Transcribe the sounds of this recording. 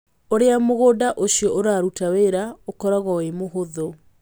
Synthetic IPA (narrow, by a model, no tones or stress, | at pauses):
oɾeamoɣoːdaʔoɕjɔʔoɾaːɾutaweɾaokɔɾaɣɔwemoɦoðo